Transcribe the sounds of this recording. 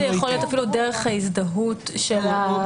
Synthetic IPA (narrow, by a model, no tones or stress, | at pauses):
ejaχolijo̞tafiludeʁeχhaisdaɦutʃela